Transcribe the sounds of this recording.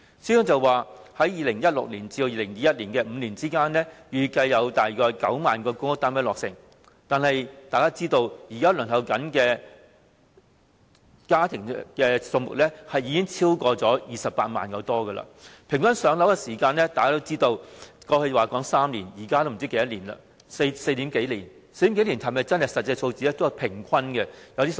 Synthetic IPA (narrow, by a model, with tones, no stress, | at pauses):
syː˥ɔ˥ŋt͡sɐ˨˧wwaː˨˩hɐ˨˥jjiː˨˧lɪ˨˩ŋjɐ˥t̚lʊ̰˨k̚liː˨˩nt͡siː˧do˧jiː˧lɪ˨˩ŋjiː˧jɐ˥t̚liː˨˩nkɛː˧m̩ː˨˧liː˨˩nt͡siː˥kaː˥nlɛː˥jyː˨˩kɐ˧jːɐ˨˧wt̪aː˨jkɔː˧jkɐ̰˨˥wmaː˨nkɔː˧kʊ˥ŋʊ˥k̚t̪aː˥mɛː˥lɔː˨ksɪ̰˨˩ŋ | t̪aː˨nhɐ˨jt̪aː˨jkaː˥t͡siː˥t̪o˧wjiː˨˩kaː˥lœː˨˩ŋhɐ˨˧wkɐ˨˥nkɛː˧ | kaː˥t̪ʰɪ˨˩ŋkɛː˧sʊ˧ŋmʊ̰˨k̚lɛː˥hɐ˨jiː˨˧kɪ˥ŋt͡sʰiː˥wkɔː˧t͡sɔː˨˥jiː˧sɐ˨p̚ːaː˧t̚ma̰ː˨nkɐ˨˧wt̪ɔː˥ɡɐ˧la̰ː˧pʰɪ˨˩ŋkʰɐ˥nsœː˨˧ŋlɐ˨˥wkɛ˧siː˨˩kaː˧nlɛː˥t̪aː˨˩kaː˥t̪wt͡siː˥t̪o˧wkɔː˧hɵ˧waː˨kɔː˨˥ŋsaː˥mliː˨˩njiː˨˩kaː˥t̪o˥wm̩˨˩t͡si˥ke˨˧˥jɐ˥liː˨˩nlɐ̰˧ | sse˧jt̪iː˨˥mke˨˥jliː˨˩n | se˧jt̪i˨˥ke˨˥li˨˩nhɐ˨˩mɐ˨jt͡sɐ˥nhɐ˨jsɐ˨t̚t͡sɐ˧jt͡sʰo˧wt͡siː˨˥ɛː˥t̪o˥jɐ˨˩wpʰɪ˨˩ŋkʷʰɐ˥nkɛ˧jɐ˨˧wt̪iː˥